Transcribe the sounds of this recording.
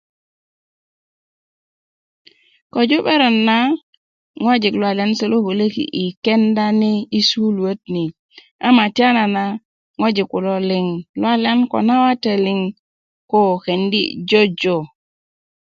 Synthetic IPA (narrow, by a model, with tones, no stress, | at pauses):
ko˨d͡ʒu˦ɓe˦ɾo˨nːa˦ | ŋwa˦d͡ʒi˨klwa˨li˨a˦nse˦lo˦bo˨le˦kḭ˨ʔi˨ke˦nda˦ni˦i˦su˦lu˨ə˦tni˨ | a˦ma˨ti˦a˦na˨na˦ | ŋo˦d͡ʒi˨ku˨lo˦li˨ŋlwa˦li˦a˦nko̰˨na˦wa˦te˨li˨ŋ | ko˦˨ke˨ndḭ˦d͡ʒo˦d͡ʒo˨